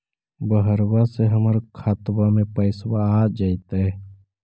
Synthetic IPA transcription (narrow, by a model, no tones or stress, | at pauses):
bəɦəɾwaseɦəməɾkʰaːt̪bamẽpəɪsbaːd͡ʒait̪ɦɛ